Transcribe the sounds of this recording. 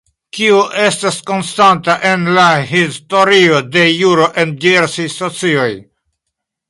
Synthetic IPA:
kiuʔe̞stasko̞nstantaʔe̞nlahisto̞ɾio̞de̞juɾo̞ʔe̞ndie̞ɾsajso̞t͡sio̞j

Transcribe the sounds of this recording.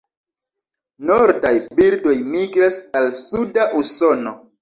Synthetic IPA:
no̞ɾdajbildo̞jmiɡɾasalsudaʔuso̞no̞

